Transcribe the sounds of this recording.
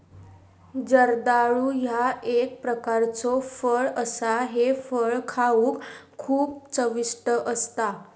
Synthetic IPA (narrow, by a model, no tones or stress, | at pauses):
d͡zəɾd̪aɭuːjaek̚pɾəkaɾt͡sɔfəɭəsaɦefəɭkʰauːkʰː | uːp̚t͡səʋisʈəʔəst̪a